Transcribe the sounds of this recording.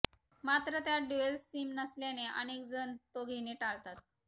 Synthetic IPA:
mat̪ɾət̪jaɖuelsiːmnəsleneʔa̰nekd͡zənt̪oɡʱeneʈalt̪at̪̚

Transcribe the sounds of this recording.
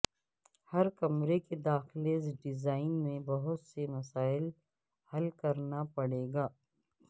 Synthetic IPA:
hɐɾkɐmɾeked̪aːxlezɖɪzaːɪnmẽbɐɦʊt̪semɐsaːɪl | hɐlkɐɾnapɐɽeːɡaː

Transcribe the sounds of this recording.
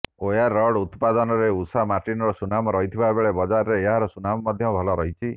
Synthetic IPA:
ojaɾːɔɽut̪pad̪ɔnɔɾeusamaʈinɔɾɔsunamɔɾɔɦit̪ʰibabeɭebɔd͡ʒaɾɾeːɦaɾɔsunamɔmɔd̪ʱjɔbʱɔlɔɾɔɦit͡ʃʰi

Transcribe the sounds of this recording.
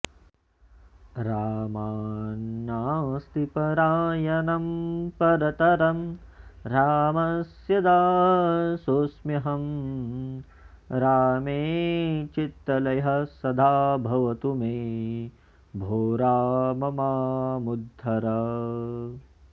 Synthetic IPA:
ɾaːmaːnːaːst̪ipɐɾaːjɐnɐmpɐɾɐt̪ɐɾɐmɾaːmɐsjɐd̪aː | soːsmɐɦɐm | ɾaːmeːt͡ʃit̪ɾɐlɐjɦɐ̆sɐd̪ʱaːbʱɐʋɐt̪umeː | bʱoːɾaːmɐmaːmud̪ʱːɐɾɐ

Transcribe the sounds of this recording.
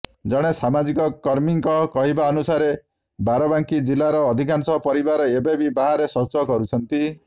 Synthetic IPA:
d͡ʒɔɽ̃esamad͡ʒikɔkɔɾmiŋkɔkɔɦibaɔnusaɾe | baɾɔbaŋkid͡ʒilaɾɔːd̪ʱikansɔpɔɾibaɾɔebebibaɦaɾesɔt͡ʃɔkɔɾut͡ʃʰɔnt̪i

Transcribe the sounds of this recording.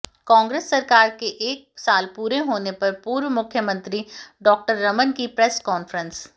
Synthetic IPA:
kɔ̃ːŋɡɾeːsːɐɾkaːɾkeʔeːk̚saːlpuːɾeɦoːnepɐɾpuːɾʋmʊkʰjəmə̃nt̪ɾiɖɔːk̚ʈəɾːɐmənkipɾɛːskɔːnfəɾə̃ns

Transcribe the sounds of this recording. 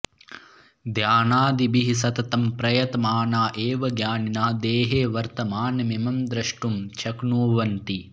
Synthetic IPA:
d̪ʱjaːnaːd̪ibiɦisɐt̪ɐt̪ɐmpɾɐjɐt̪ɐmaːnaːʔeːʋɐɡjaːninaːd̪eːɦeːʋɐɾt̪ɐmaːnɐmimɐmd̪ɾɐʂʈumt͡ʃʰɐknuːʋɐnʈ̪i

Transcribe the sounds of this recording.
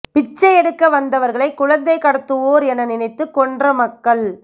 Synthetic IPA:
pɪt͡ʃːɐɪɛɽɯkːɐʋɐnd̪ɐʋɐɾɣɐɭɐɪkːʊɻɐnd̪ɐɪkɐɽɐt̪ːɯʋoːɾɛnːɐnɪnɐɪt̪ːɯkɔndrɐmɐkːɐɭ

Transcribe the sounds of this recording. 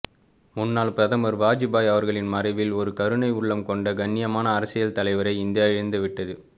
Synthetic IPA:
mʊnːaːɭpɾɐðɐmɐɾʋaːd͡ʒɪbaːjɐʋɐɾɣɐɭɪnmɐɾɐɪʋɪlɔɾɯkɐɾɯnɐɪʊɭːɐmkɔɳɖɐɡɐnːɪjɐmaːnɐːɾɐsɪjɐlt̪ɐlɐɪʋɐɾɐɪɪnd̪ɪjaːɪɻɪnd̪ɯʋɪʈːɐðɯ

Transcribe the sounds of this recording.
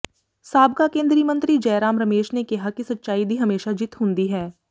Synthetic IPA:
saːbkakẽːnd̪ɾiːmə̃nt̪ɾid͡ʒɛːɾaːmɾɐmeːʃnekɐɦakisɐtːʃaːib̪ʱiɦɐmeːʃad͡ʒɪt̪ɦõːnd̪iɦɛː

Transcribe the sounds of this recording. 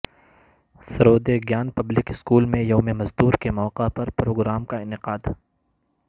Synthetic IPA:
sɐɾoːd̪eɡjaːnpɐblɪkɪskuːlmẽjɐʊmẽmɐzd̪uːɾkemɔːqapɐɾpɾoːɡɾaːmkaɪnɪqaːd̪

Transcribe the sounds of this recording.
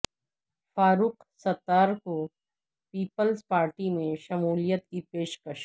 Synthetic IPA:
faːɾuːq | sɐt̪ːaːɾko | piːpəlzpaːɾʈimẽʃɐmuːlijət̪̚kipeːʃkəʃ

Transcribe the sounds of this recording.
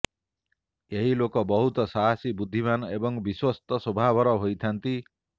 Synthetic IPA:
eɦilokɔbɔɦut̪ɔsaɦasibud̪ʱːimanɔebɔŋbiswɔst̪ɔsobʱabʱɔɾɔɦojt̪ʰant̪i

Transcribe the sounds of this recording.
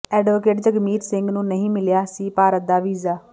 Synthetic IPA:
ɛːɖʋokeːʈd͡ʒəɡmiːɾsɪ̃ŋɡnũːnəɦĩːmɪljaːsiːpaːɾət̪̚d̪aːʋiːzaː

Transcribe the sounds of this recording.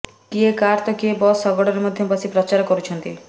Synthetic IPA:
kiekaɾt̪ɔkiebɔsɔɡɔɽɔɾemɔd̪ʱjɔpɔsʰipɾɔt͡ʃaɾkɔɾut͡ʃʰɔnt̪ḭ

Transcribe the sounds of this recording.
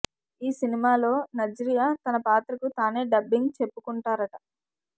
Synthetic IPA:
iːsinimaːlo̞ːnɐd͡ʒɾijaːt̪ɐnɐpaːt̪ɾɐkut̪aːne̞ːɖɐbːiŋɡt͡ʃe̞pːukuɳʈaːɾɐʈɐ

